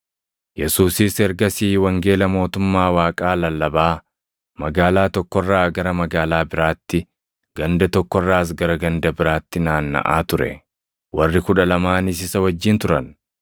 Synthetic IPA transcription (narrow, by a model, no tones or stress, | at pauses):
jɛsuːsɪsɛɾɡɐsiːwɐŋɡe̞ːlɐmo̞ːt̪ʊmːaːwaːkʼaːlɐlːɐbaː | mɐɡaːlaːt̪ɔkːɔrːaːɡɐɾɐmɐɡaːlaːbɪɾaːt̪ːɪ | ɡ̥ɐnd̪ɐt̪ɔkːɔrːaːs̬ɡɐɾɐɡɐnd̪ɐbɪɾaːt̪ːɪnaːnːɐ̰ʔa̰ːt̪ʊɾɛ̰ | wɐrːɪkʊᶑɐlɐmaːnɪs̬ɪsɐwɐd͡ʒːɪnt̪ʊɾɐn